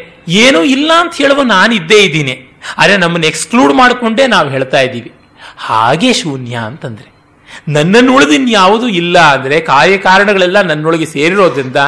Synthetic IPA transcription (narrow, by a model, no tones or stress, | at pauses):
eːnuːilːɐːnt̪ɐɦeːɭɐʋuːnaːnid̪ːe̞ːid̪ːiːni | aːd̪ɾenɐmːɐnːekskluːɖmaːɽkoɳɖe̞ːnaːʋɦeːɭt̪aːjid̪iːʋi | ha̰ːɡe̞ːʃuːnjaɐnt̪ɐnd̪ɐɾe̞ | nɐnːɐnːuɭɐd̪inːjaːʋud̪uilːɐɐnd̪ɐɾe̞kaːɾjɐkaːɾɐɳɐɡɐɭɛlːɐnɐnːɔɭɡese̞ːɾiɾo̞ːd̪ɾind̪ɐ